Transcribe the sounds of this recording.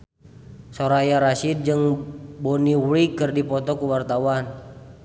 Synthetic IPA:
soɾajaɾaʃid̚d͡ʒɨŋboniwɾikɨrdipɔt̪ɔkuwart̪awan

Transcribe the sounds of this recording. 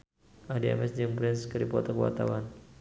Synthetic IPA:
adiɛ̰mɛsd͡ʒəŋpɾɛnskəɾipɔt̪ɔkəwa̰t̪awan

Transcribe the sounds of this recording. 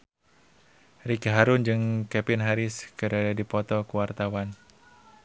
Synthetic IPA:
rikɦaɾʊnd͡ʒɨŋkɛpɪnɦaɾɪskəɾadadipɔt̪ɔkuwart̪awan

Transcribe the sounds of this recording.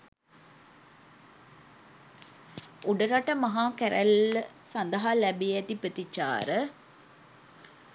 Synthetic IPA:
uɖɐɾaʈɐmɐɦaːkæɾæl | sɐnd̪ɐɦalæbijɛt̪ipət̪it͡ʃːa̰ːɾə

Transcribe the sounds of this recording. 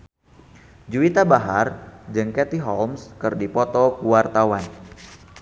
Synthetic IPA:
d͡ʒuit̪abaɦard͡ʒɨŋkɛt̪iɦɔlmskɨrdipɔt̪ɔkuwart̪awan

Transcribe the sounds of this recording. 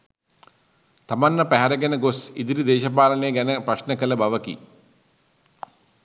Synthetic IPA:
t̪ɐmɐnːɐpɛɦɐɾɐɡɐnɐɡosid̪iɾid̪eːʃɐp̬aːlɐneɡɐnɐpɾɐɕnɐkɐlɐbɐʋɐkḭ

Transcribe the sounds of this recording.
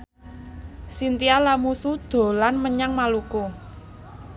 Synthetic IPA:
sint̪ialamusud̪̥o̤lanməɲaŋmaluku

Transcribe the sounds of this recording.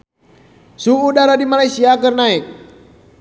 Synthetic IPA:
suːdaɾadimalajsiakɨrnaik̚

